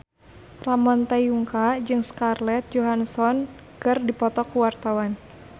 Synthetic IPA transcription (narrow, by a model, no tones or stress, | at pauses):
ramɔnt̪ajuŋkad͡ʒɨŋskarlɛt̪̚d͡ʒɔɦansɔn | kɨrdipɔt̪ɔkuwart̪awan